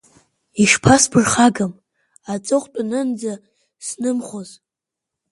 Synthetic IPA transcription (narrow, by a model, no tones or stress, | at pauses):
iʂpʰasbʰɨrχaɡam | at͡sʼɨχʷʼt͡pʼanɨnd͡za | snɨmχoz